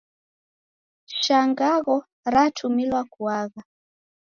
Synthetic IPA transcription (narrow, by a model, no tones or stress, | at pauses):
ʃaŋɡaɣɔ | ɾatʰumilwakuaɣa